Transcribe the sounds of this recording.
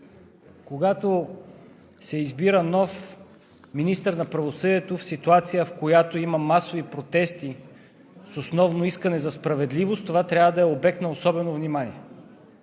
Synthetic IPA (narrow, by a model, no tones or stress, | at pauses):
koɡat̪o | sɛizbiɾənɔf | minist̪əɾnɐpɾɐvosɤd̪iɛt̪ofsit̪uat̪sijəfkojat̪oimɐmasovipɾot̪ɛst̪i | sosnɔvnoiskɐnɛzɐspɾɐvɛd̪livost̪t̪ovat̪ɾʲavəd̪ɐɛobɛk̚t̪nɐosɔbɛnovnimanʲiɛ